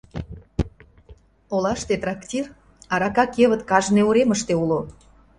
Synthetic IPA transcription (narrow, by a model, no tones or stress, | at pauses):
olɑʃt̪et̪rɑktʲir | ɑɾɑkɑkeβə̆t̪kɑʒneuɾeməʃt̪eulo